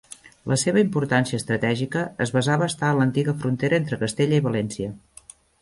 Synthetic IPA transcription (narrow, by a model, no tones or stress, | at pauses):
lʔəseβəimpuɾt̪ansiəst̪ɾət̪ɛʒikəːzβəzaβəːst̪aənlənt̪iɣəfɾunt̪eɾəent̪ɾəkəst̪eʎəiβəlɛnsiə